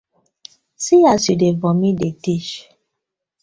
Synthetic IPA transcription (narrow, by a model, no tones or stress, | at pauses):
sijasidevɔ̃mĩdetiʃ